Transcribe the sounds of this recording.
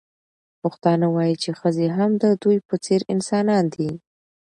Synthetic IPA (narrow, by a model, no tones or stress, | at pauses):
pəxt̪ɑnawɑjit͡ʃexəzeɦamd̪əd̪ujpət͡seɾɪnsɑnɑnd̪i